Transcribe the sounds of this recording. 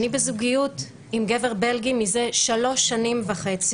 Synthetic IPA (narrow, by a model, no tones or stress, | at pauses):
nibezuɡijut | imɡeveʁbe̞lɡimize̞ʃalo̞ʃːanimvaχe̞t͡si